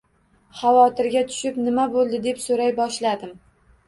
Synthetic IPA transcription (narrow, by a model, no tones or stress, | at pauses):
χɑvɒt̪ʰɪɾɡʲat̪ʰʊ̥ʃɪpnɪmabolˠd̪ɪd̪e̞psoɾajbɒʃlad̪ɪm